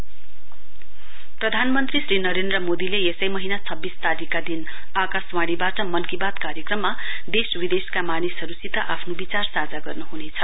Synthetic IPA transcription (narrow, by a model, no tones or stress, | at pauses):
prʌd̪ʱanmʌnt̪risrinʌɾend̪rʌmod̪ileesʌjmʌɦinat͡sʰʌbːist̪aɾikːad̪in | akaswaɽ̃ibaʈʌmʌnkibat̪kaɾjekrʌmːa | d̪eswid̪eskamanisʌɾusit̪ʌʔapʰnobit͡sarsad͡zaɡʌrnuɦunet͡sʰʌ